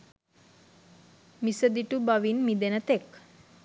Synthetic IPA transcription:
misəd̪iʈubaʋinmid̪enət̪ek

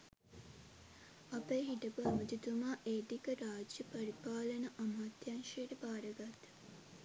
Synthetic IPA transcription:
apejɦiʈəpuaməd͡ʒ̪it̪umaːʔeːʈikəɾaːd͡ʒjəpaɾipaːlənɐʔamaːt̪jaŋʃijeʈəpaːɾəɡat̪ːə̥

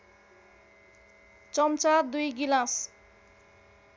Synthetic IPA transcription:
t͡sʌmt͡sad̪ujɡilas

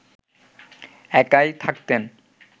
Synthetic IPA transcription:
ɛkajt̪ʰak̚t̪en

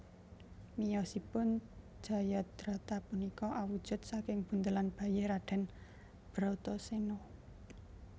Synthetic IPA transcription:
mijɔsipʊn̥ | ʒ̥ä̤jat̪̚d̪ɾa̤t̪apunikɔʔawud̥ʒ̥ʊ̤t̪̚sakɪŋb̥ṳnt̪əlanb̥ä̤jeɾaɖ̥ɛ̤n | b̥ɾɔt̪ɔseno

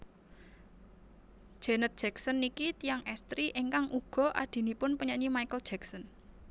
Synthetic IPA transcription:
d̥ʒ̥ɛ̤nət̪̚d̥ʒ̥ɛksɔnːikit̪ijaŋɛst̪ɾiʔeŋkaŋʔuɡ̥ɔ̤ʔa̰d̪̥i̤nipʊnpəɲaɲimajkəld̥ʒ̥ɛksɔn

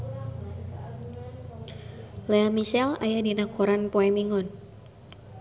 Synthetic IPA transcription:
leamiʃɛlajadinakʰɔɾanpɔɛmiŋɔn

